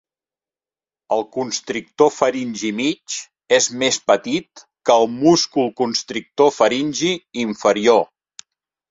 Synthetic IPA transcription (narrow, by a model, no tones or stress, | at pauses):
əlˠkunst̪ɾik̚t̪ofəɾinʲʒimit͡ʃ | ezmespət̪it̪ | kəːlˠmuskulˠkunst̪ɾik̚t̪ofəɾinʲʒiiɱfəɾio